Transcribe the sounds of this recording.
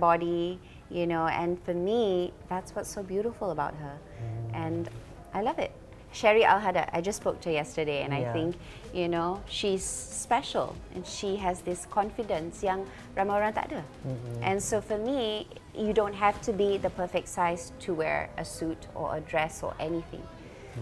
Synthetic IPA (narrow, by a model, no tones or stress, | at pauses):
bɔdi | junoɛ̰̃nfɔmiðætswɔtsobjuɾɪfəlˠəbaʊt̚ɦə | ʔɛ̃n | ʔaɪlʌvɪ̰t̚ | ʃɛɹiʔa̰lɦada̰ʔa̰ɪd͡ʒʌsːpok̚tʰəjɛstədeɛ̰̃najθɪ̃ŋk | junoʃiz̥spɛʃə̰lˠʔɛ̰̃nʃiɦɛzðɪskʰɔ̃nfidə̃nsjãŋ | ɹaməɹãnt̪a̰dəʔɛ̃nsofɔmijudõnt̚ɦæftʰubidəpʰəfɛk̚tsaɪstʰuwɛ̰ɹə̰sutɔ̰ə̰dɹɛsɔ̰ʔɛniθɪ̰̃ŋ